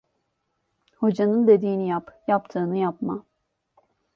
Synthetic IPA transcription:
ho̞d͡ʒanɯnd̪e̞d̪iːnijapjapt̪ʰɯːnɯjapma

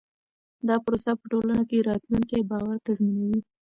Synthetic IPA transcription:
d̪ɑpɾosapə̥ʈolanakeɾɑt̪luŋkebɑwaɾt̪azminawi

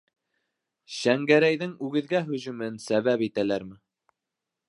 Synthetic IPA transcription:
ɕæŋɡæɾæjðɘŋʉɡɘ̆ðɡæɦɵ̆ʑʉ̆mɘnsæβæpit̪ælæɾmɘ

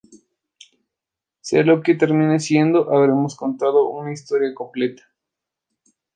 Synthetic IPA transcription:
sḛalo̞ket̪eɾmĩnesje̞nd̪o̞ʔaβɾe̞mo̞sko̞nt̪aðo̞ʔunaist̪o̞ɾjako̞mple̞t̪ḁ

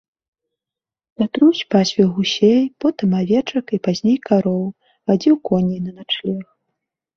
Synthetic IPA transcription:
lʲat̪ɾusʲpasʲvʲiwɣusʲejpɔt̪ɨmavʲɛt͡ʂɐkipazʲnʲejkaɾɔw | vad͡zʲiwkɔnʲejnɐnat͡ʂlʲɛx

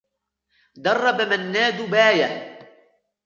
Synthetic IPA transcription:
d̪ɑrˤːɑbamanːaːd̪ʊbaːja

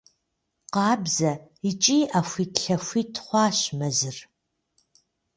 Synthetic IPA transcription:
qɑːbzɐit͡ʃʼiːʔafʷitɬɐfʷiːtʰχʷɑːɕmɐzɨr

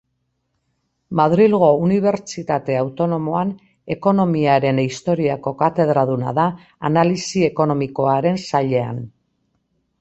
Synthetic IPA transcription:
maðɾilɣo̞uniβ̞e̞ɾt͡ʃit̪at̪e̞awt̪o̞no̞mo̞an | e̞ko̞no̞miaɾe̞nist̪o̞ɾiako̞kat̪e̞ð̞ɾað̞una̰ðaː | nalisie̞ko̞no̞miko̞aɾe̞nsaʎe̞a̰n

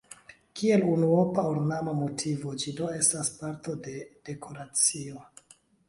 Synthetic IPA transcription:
kie̞lunuopauɾnamamo̞tʰivo̞d͡ʒido̞e̞staspaɾto̞de̞d̥e̞kʰo̞ɾat͡sio̞

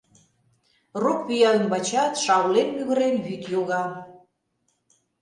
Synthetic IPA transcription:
rukβijɑlənbɑt͡ɕɑt̪ʃɑwlenmyɣə̆ɾenβyt̪joɣɑ

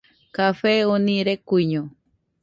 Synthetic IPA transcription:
kafeonĩɾekuiɲõ

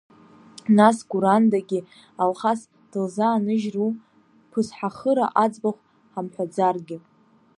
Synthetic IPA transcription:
nasɡuɾandaɡʲi | alχas | d̥ɨlzaːnɨʒru | pʰɨsħaχəɾa̰ʔad͡zbaχʷ | ħamħʷᶣad͡zarɡʲɪ

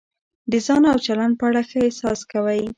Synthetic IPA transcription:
d̪əzɑnawt͡ʃaland̚pəaɽaxəesɑskawaj

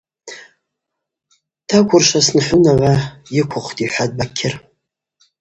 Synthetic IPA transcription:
tʰakʷʰʊrʃasnħʷʊnaʕʷajɪkʷʰʊχʷtʰʼiħʷad̚bakʲʰɪr

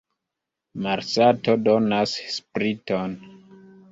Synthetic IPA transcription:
maɾsato̞do̞nasspɾiton

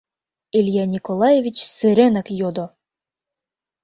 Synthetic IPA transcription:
ilʲjɑnʲikolˠɑjevʲit͡ɕsɘ̆ɾĕnækjod̪ŏ

